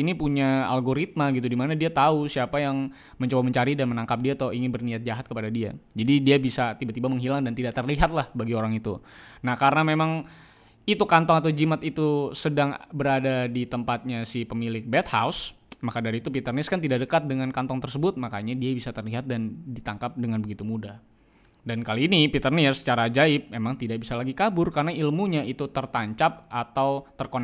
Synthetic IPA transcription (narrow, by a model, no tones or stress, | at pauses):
inipuɲaalɡoɾit̪̚maɡit̪̬udimanadiat̪ausiapajaŋ | məɲt͡ʃobaməɲt͡ʃaɾidanmənaŋkap̚diat̪ɔiŋɪnbərniat̪̚d͡ʒaɦat̪̚kəpadadia̰d͡ʒadidiabisat̪ibat̪ibaməŋɦilaŋdant̪idaʔt̪ərliɦat̪̚lahbaɡioɾaŋit̪ṵnahkaɾənamemaŋ | it̪ukant̪ɔŋat̪̬awd͡ʒimat̪it̪usədaŋbəɾadadit̪əmpat̪̚ɲasipəmilɪk̚bɛt̪̚ha̰ws | makadaɾiːt̪upit̪ərnɪskant̪idaʔdəkat̪̚dəŋankant̪ɔŋt̪ərsəbʊt̪̚makaɲadiabisat̪ərliɦat̪̚dandit̪aŋkap̚dəŋanbəɡit̪umudah | dankaliːnipit̪ərnɪst͡ʃaɾad͡ʒaɪp̚memaŋt̪idaʔbisalaɡikabʊrkarənailmuɲait̪ut̪ərt̪aɲt͡ʃap̚at̪awt̪ərkon